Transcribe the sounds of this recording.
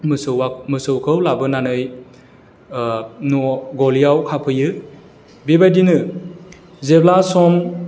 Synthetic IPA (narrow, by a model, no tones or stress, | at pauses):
mɯsɯamɯsɯwkʰɯwlabɯnanɯj | nɔɡɔlijawkʰapʰɯjɯ | bibajdinɯ | zeblasɔm